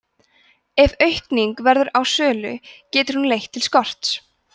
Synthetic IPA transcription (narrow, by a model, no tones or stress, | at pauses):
ɛvœɥhkniŋkvɛɾðʏɾawsœːlʏcɛːt̪ʏɾ̥hunlejht̪ʰːɪlskɔr̥t̪s